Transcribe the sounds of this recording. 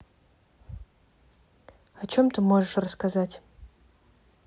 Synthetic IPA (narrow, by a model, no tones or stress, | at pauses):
at͡ʃʰomt̪ʰɨmoʐɨʂrəskazatʲ